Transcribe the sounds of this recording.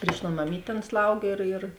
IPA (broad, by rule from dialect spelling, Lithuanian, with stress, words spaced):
pʲrʲiːʃ ˈtoːn mɐˈmʲiːtʲ ˈɐn ˈslˠɐʊɡʲeː ɪr ɪr